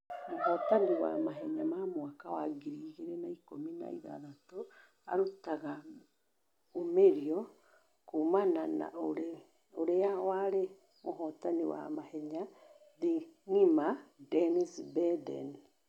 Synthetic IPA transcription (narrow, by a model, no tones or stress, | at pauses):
mohɔtaniwa̰maɦɛɲamamwakawaɡiɾiːɣeɾɛnaikomina̰ḭða̰ðato | aɾutaɣa | omeɾiɔ | kumanana̰oɾe | oɾeawaɾe | moɦɔtaniwa̰mahɛɲa | ðiŋimadɛnisbɛdɛ̰ni